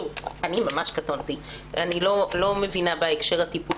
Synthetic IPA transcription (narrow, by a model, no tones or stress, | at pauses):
uvanimamaʃkat̪ont̪i | anilolo̞me̞vinabaekʃe̞ʁat̪ipu